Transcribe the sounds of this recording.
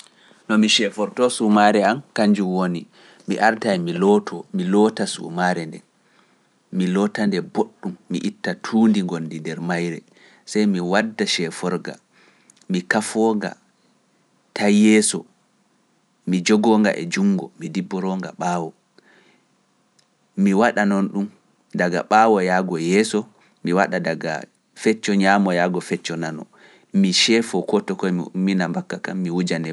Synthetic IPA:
nɔmiʃɛfɔɾtɔsumaɾɛamkaɲd͡ʒumwoni | miʔaɾtajmilɔtʰɔmilɔtasṵmaɾɛndɛ̰ | milɔtandɛboɗːumːḭʔitːatʰuːndiŋɡonːdindɛɾmajɾɛ̰ | sajmiwadːaʃɛfɔɾɡa̰ | mikafɔːŋɡa̰ | tajɛsɔ | mid͡ʒɔɡɔŋɡa̰ʔɛ̰d͡ʒuŋɡɔ̰midibːɔɾɔŋɡa̰ɓawɔ | miwaɗanɔnɗum | daɡa̰ɓaːwɔjaːɡɔjɛːsɔ | miwaɗadaɡa̰ | fɛt͡ʃːɔɲamɔjaːɡɔfɛt͡ʃːɔnanɔ̰ | miʃɛfɔkɔtɔkɔjminambakːakamːiwud͡ʒanɛ

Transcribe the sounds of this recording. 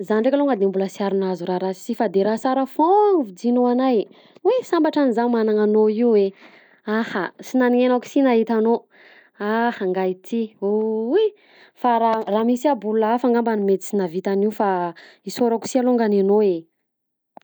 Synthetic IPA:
zanɖ͡ʐekʲaloŋɡad̪embuləsiaɾunazuɾaɾasi̥zifad̪eɾaɦsaɾəfoŋvid͡zinoanaj | wesambaʈ͡ʂanizanmanaŋanoiwe | ahasinaniŋenaku̥sinaɦit̪ano | ahaŋɡait̪ʰioe | faɾaramisiabuluafaŋɡambanimet͡s̪i̥t͡sinavit̪aniufaisoɾaku̥sialoŋɡananoe

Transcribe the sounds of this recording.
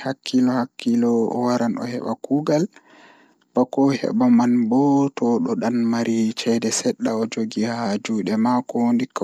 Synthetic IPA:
hakʰːilɔhakːilɔ̰waɾanɔ̰hɛ̰ɓa̰kuɡal | b̥akɔhɛ̰ɓamanbɔtɔɗɔɗanmaɾit͡ʃɛdɛsɛɗːaɔd͡ʒoɡihaad͡ʒuɗɛmakɔwondik

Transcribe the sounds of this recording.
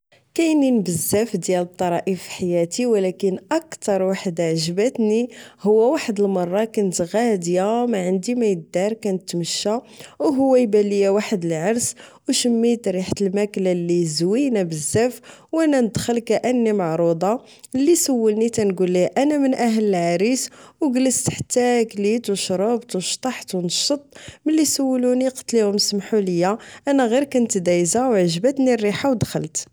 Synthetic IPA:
kæjninbəzːæfd̪jælət̪ˤːɑɾˤɑʔifi̥ħajæt̪iwlækənʔɑkt̪ɑɾˤwaħəd̪aʕʒəbət̪nihʊwːæwaħəd̪əlmɑrˤːɑkænt̪ɣæd̪jæmæʕənd̪imæjəd̪ːɑɾˤkænət̪ːməʃːæ | wɦʊwːæjbælːijæwaħəd̪əlʕɑɾˤs | wʃəmːit̪ɾiħt̪əlmæklalːizwinæbəzːæfwænænəd̪xəlkæʔənːimɑʕɾˤud̪ˤɑ | lːisəwːəlnit̪ænɡulːiʔænæmənʔæɦələlʕaɾiswɡələst̪ħə̥t̪ːæklit̪wʃɾˤɑbt̪wʃt̪ˤɑħt̪wnʃət̪ˤməlːisəwːəluniqɑ̥t̪ːlihʊmsmħuləjːæʔænæɣiɾkænt̪d̪æjzawʕəʒbæt̪nirːiħawd̪xəlt̪

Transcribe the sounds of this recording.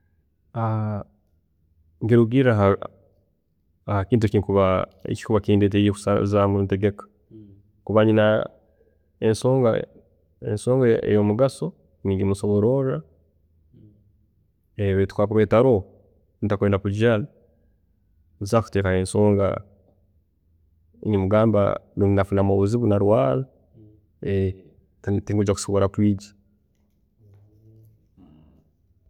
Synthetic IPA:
a | ŋɡeɾuɡiɾaɦa | akiːnt̬uciikuβaḛci̥kuβakiːndet̬ejeku̥sazamuteɡekḁ | kuβaɲina | ensoːŋɡa | ḛnsoːŋɡaḛjomuɡaso̞ | niɡimuso̞βoɾo̞ɾa | eβetu̥kwakuβetaɾo | nitakuenapuɟali | zaku̥tekaensoːŋɡa̰ | ɲimuɡaːmba̰nuinafunamoβuziβunaɾwaːla | e | tatiŋɡuɟaku̥siβoɾatwiːɟḁ

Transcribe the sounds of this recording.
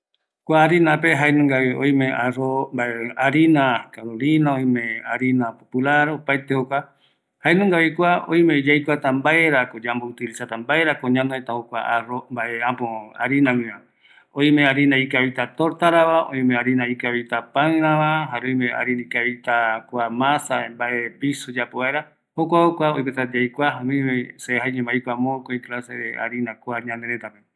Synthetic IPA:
kʷaːɾinape̞ɦaenũŋɡaβiõj̃mẽʔarombaeaɾinakaɾolinãõj̃mẽaɾinapopulaɾopaet̪ehokʷa | haenũŋɡaβikʷaõ̰j̃mẽd͡ʒajkʷat̪ambaeɾakod͡ʒambout̪ilisat̪ambaeɾakoɲãnõet̪aokʷa̰arombaeapoa̰ɾinãŋɨ̃ã | õj̃meaɾinãikaβit̪at̪oɾt̪aɾaβaõ̰j̃mẽaɾinãikaβit̪apaɨ̃ɾãβaɦaɾeõjmea̰ɾinaikaβit̪akʷamãsaembaʔepisud͡ʒapoβaeɾa | hokʷaokʷaojpet̪ad͡ʒajkʷaɦawĩmẽseɦajɲẽmbajkʷamõkoikɨlaseɾea̰ɾinakʷaɲãneɾet̪ape

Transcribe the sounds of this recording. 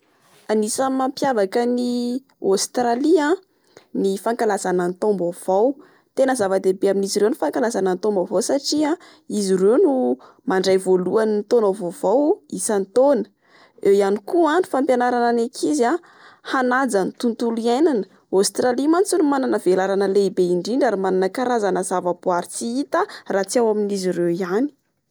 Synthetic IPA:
anisəmampjavakəni | ost̪ɾaliã | nifaŋkalazanənt̪ombav̥aw | t̪enəzavad̪ebeaminiziɾewnifaŋkalazanənt̪ombavawsaʈ͡ʂia | izirenu | maɳɖ͡ʐajvoluanint̪onavovawisant̪onə̥ | ewjanikuanifampjanaɾananekʰiza | hanad͡zant̪unt̪uliajnanə̥ | awst̪ralimant͡sunumananəvelaɾanəleibeiɳɖ͡ʐiɳɖ͡ʐaɾimananəkaɾazanəz̥avapuaɾit͡siit̪əraːt͡siawaminizirewiani̥

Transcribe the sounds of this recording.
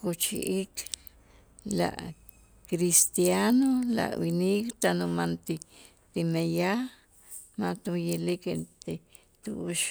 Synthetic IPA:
kot͡ʃḭʔik | la̰ʔ | kɾist̪janola̰winikt̪anomant̪i | t̪imeja | mãt̪ujilikent̪e | t̪uʃ

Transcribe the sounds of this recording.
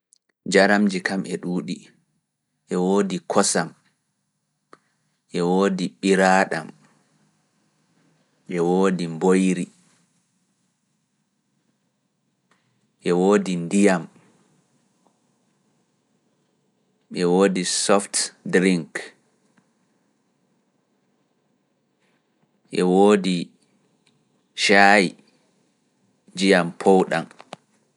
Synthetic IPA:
d͡ʒaɾamd͡ʒikamʔɛɗuːɗi | ʔɛwoːdikʰɔsam | ʔɛwoːdiɓiɾaɗa̰m | ɓɛwoːdimbojɾi | ʔɛwoːdindijam | ɓɛwoːdisɔftdɾiŋk | ɓɛwoːdi | ʃaj | d͡ʒijampʰowɗa̰m

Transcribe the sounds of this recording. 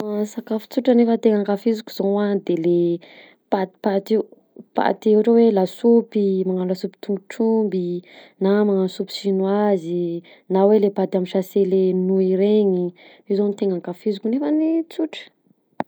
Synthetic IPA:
asakafu̥t͡suʈ͡ʂənefət̪eŋaŋkafizukʲuzowanid̪ele | pat̪i̥pat̪i | pa̰t̪eʈ͡ʂawelasupimaŋanulasupi̥t̪uŋɡuʈ͡ʂumbi | namaŋansupi̥sinwazi | nawelepad̪amiʃaselenuiɾeɲi | izonit̪eŋaŋkafizukunefənit͡suʈ͡ʂə̥

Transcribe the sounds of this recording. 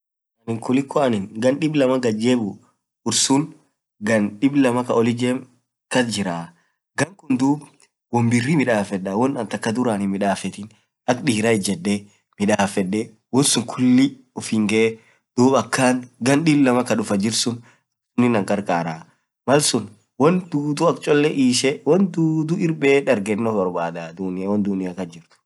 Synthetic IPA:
ɐnɪŋkʊlɪkʰːɔɐnɪŋɡɐnɗɪblɐmɐɡɐd͡ʒeːbʊ | ʊɾsʊn | ɡɐnɗɪblɐmɐkɐɔlɪd͡ʒɛm | kɐd͡ʒɪɾaː | ɡɐŋkʊnd̪uːb | wɔmbɪrːimɪᶑaːfɛɗɐwɔnːɐnt̪ɐkːɐd̪ʊɾaːnɪnmɪᶑaːfɛt̪ɪn | ʔɐkɗiːɾɐɪd͡ʒɛd̪ːe | mɪᶑaːfɛᶑːɛ | wɔnsʊŋkʰʊlːɪ | ɔfɪŋɡɛ | d̪̥uːbɐkːaːŋɡɐnɗilːɐmɐkɐɗʊfɐd͡ʒɪɾsʊn | ɐsʊnːɪnɐŋkʼɐɾkʼaːɾa | mɐlsʊn | wɐnd̪uːt̪ʊɐkt͡ʃʼɔlːɛʔiːʃɛwɐnd̪uːd̪ʊɪɾbeːᶑɐɾɡɛnːɔbɐɾbaːd̪aːd̪uːnɪjɐwɐnd̪uːnɪjɐkɐnd͡ʒɪɾt̪ʊ̥

